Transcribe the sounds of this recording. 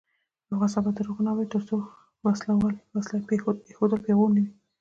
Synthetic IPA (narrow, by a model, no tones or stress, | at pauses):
aɣasabad̪aɾuɣunawat̪əɾso | waslawalwaslapexopexod̪əlpeɣonəwi